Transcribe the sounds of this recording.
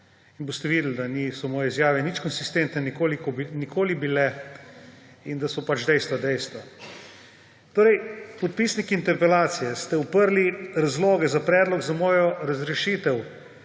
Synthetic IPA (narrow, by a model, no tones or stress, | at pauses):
inbost̪ɛʋiːd̪l̩d̪anisɔmɔːjɛizjaːʋɛnit͡ʃkɔnsist̪ent̪nɛnikoːlikɔbnikʰoːlibilɛ | ind̪asɔpat͡ʃd̪ɛjst̪ʋad̪ɛjst̪ʋa | t̪oːɾɛjpɔt̪̚pisnikiːnt̪ɛɾpɛlaːt̪sijɛst̪ɛupəɾliɾazloːɡɛzapɾɛːd̪lɔɡzamɔːjɔɾazɾɛʃiːt̪ɛw